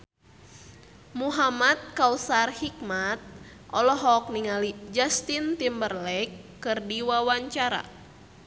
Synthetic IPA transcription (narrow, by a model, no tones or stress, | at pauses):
muɦamat̪̚kausarhikmat̪̚ | ʔɔlɔɦɔk̚niŋalid͡ʒast̪int̪imbərlɛkːɨrdiwawaɲt͡ʃaɾa̰